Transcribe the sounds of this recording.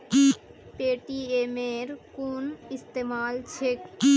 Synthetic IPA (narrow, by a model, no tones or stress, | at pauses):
peːʈiemeːɾkuːnɪst̪eːmaːlt͡ʃʰek